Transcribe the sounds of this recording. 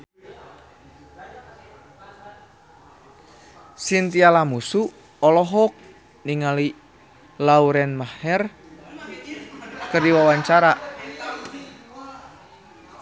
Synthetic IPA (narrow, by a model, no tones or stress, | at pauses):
sint̪ialamusu | ɔlɔɦɔk̚ | niŋali | lauɾɛnmahɛr | kərdiwawaɲt͡ʃaɾaʔ